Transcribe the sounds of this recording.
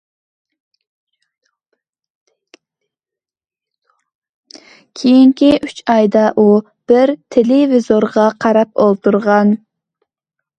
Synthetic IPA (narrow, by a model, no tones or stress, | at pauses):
kʲʰejiŋkʲiyt͡ʃʰɑjd̪ɑʔu | b̥ɪɾt̪ʰelɪvizoɾʁɑqʰɑɾɑpolˠt̪ʰuɾʁɑn